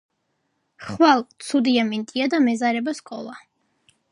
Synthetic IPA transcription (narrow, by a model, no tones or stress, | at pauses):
χχwalˠt̪sʰud̪iamint̪ʼiad̪amɛzaɾɛbaskʼɔlˠa